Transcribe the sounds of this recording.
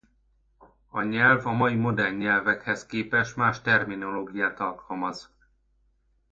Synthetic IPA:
ɒɲɛlvɒmɒjimo̞d̪ɛrɲːɛlvɛkhɛskeːpɛʃmaːʃt̪ɛrmino̞loːɡijaːt̪ɒlkʰɒlmɒz

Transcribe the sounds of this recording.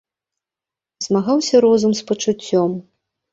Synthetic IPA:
zmaɣawsʲɐɾɔzumspɐt͡ʂut͡sʲːɔm

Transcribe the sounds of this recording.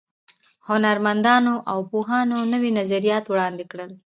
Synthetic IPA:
hʊnaɾmand̪ɑnoʔawpoɦɑnonəwinazaɾijɑt̪wɽɑnd̪ekɽəl

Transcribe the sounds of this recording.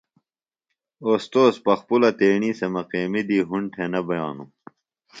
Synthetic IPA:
oːst̪oːspɐxpulɐt̪eːɳiːsemɐqeːmid̪iːɦuɳʈʰenɐbɐjaːnu

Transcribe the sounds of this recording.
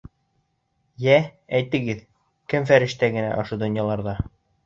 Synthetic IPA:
jææjt̪ɘ̆ɡɘð | kɘmfæɾɘ̆ʃt̪æɡɘ̆næ̰ʔŏʃɤ̆d̪ŏnjɑlˠɑɾðɑ

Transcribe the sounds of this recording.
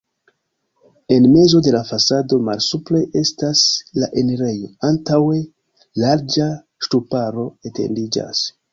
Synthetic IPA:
e̞nme̞zo̞de̞lafasado̞ma̰lsupleʔe̞staslaʔe̞niɾe̞jo̞antawe̞ | laɾd͡ʒa | ʃtupaɾo̞ete̞̰ndid͡ʒa̰s

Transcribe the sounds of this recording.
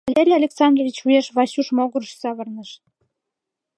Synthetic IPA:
ɑlʲeɾʲijɑlʲeksɑnd̪rovʲit͡ɕujeʃβɑɕuʃmoɣəɾəʃsɑβərnəʃ

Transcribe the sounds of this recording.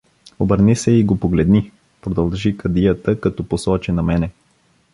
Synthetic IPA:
obəɾnisɛiɡopoɡlɛd̪ni | pɾod̪ɐlˠʒikɐd̪ijət̪əkɐt̪ɔposɔt͡ʃɛnɐmɛnɛ

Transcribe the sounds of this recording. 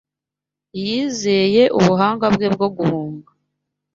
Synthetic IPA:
jiːze̞je̞ʔuβuɦaːŋɡabɡeb̚ɡo̞ɡuhuːŋɡa

